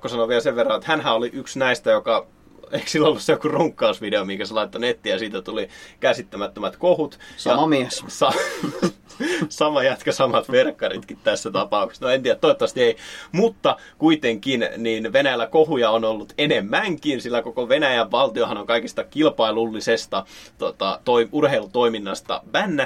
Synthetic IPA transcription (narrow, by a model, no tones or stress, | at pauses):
kːosɑnoʋielseʋʋerːɑnet̪hænhæoliʔyksnæist̪æjokɑ | eiksilːolːussejokuruŋkːɑusʋideomiŋkæselɑit̪ːonet̪ːijɑsiːt̪æt̪ulikæsit̪ːæmæt̪ːømæt̪kohut̪sɑɑmiɛssɑ | sɑmɑjæt̪køsɑmɑt̪ʋerkːɑrḭt̪kit̪t̪æsːæt̪ɑpɑukse̥snoent̪iæt̪ːoit̪ːʋɑst̪ieimut̪ːɑkuit̪eŋkinniːnʋenæjælːækohujɑonolːut̪enemːæŋkinsilːækokoʋenæjæʋʋɑlt̪iohɑnoŋkɑikist̪ɑkilpɑilulːisest̪ɑt̪ot̪ɑ̰t̪oiʔurheilut̪oiminːɑst̪ɑ̰mænːæ